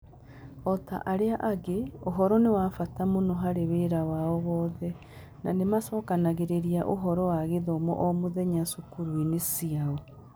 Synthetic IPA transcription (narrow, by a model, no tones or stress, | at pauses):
ɔta̰ʔaɾeaʔaɣeoɦɔɾɔnewafatamonɔɦaɾeβeɾawaɔɣɔːðɛ | na̰nemasɔːkanaɣeɾeɾiaʔo̰ɦɔɾɔwaɣeðɔmɔ̰ʔɔmoðɛɲasukuɾwinesiaɔ